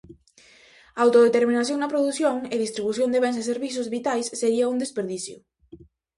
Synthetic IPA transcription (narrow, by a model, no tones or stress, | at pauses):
aawt̪oðet̪eɾminaθjõŋnɐpɾoðuθjoŋeðist̪ɾiβuθjond̪eβenseseɾβiθ̬ʊzβit̪ajsːeɾiɐuŋd̪espeɾðiθjʊ